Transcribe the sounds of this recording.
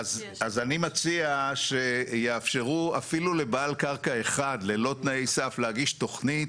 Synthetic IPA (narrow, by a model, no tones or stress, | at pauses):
az | azanimat͡siaʃe̞jeːfʃe̞ʁuafilule̞baːlkaʁkae̞χad̪le̞lo̞t̪naejsaflehaɡiʃto̞χnit